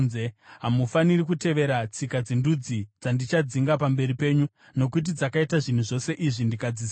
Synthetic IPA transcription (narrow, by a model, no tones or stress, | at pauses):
zeɦamufanirikute̞ʋe̞ɾat͡sikad͡zendud͡zid͡zandit͡ʃad͡ziŋɡapambe̞ɾipe̞ːɲu | no̞k̬ut̬id͡zakaitaʐin̤uʐo̞se̞ʔiʐindikad͡zisa